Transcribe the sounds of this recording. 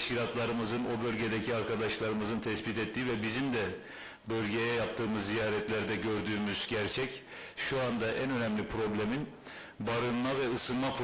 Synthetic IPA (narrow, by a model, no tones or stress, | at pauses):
ʃcilʲat̪ʰlˠaɾɯmɯzɯno̞bø̞lʲɟe̞d̪ɛcʰiaɾkʰad̪aʃlˠaɾɯmɯzɯnt̪ʰɛsbit̪ɛt̪ːiːvɛbizimd̪ɛ | bø̞lʲɟe̞jɛjap̚t̪ʰɯːmɯzːijaːɾɛt̪ʰlʲæɾd̪ɛɟø̞ɾd̪yːmyzɟæɾt͡ʃʰɛc | ʃuand̪aʔænø̞nɛmlʲipʰɾo̞blʲemin | baɾɯnmavɛɯsɯnmap